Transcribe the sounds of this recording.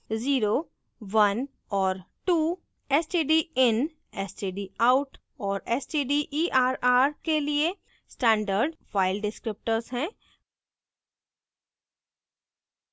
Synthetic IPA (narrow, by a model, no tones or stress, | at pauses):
ziːɾo | ʋɐn | ɔːɾʈuː | ɛːsʈeɖiɪn | ɛsʈeːɖiaːʊʈ | ɔːɾɛːsʈiːɖiʔiːʔaːɾaːɾkelie | sʈɛ̃ːɳɖəɾɖfaːɪlɖɪskɾɪp̚ʈəɾzɦɛ̃ː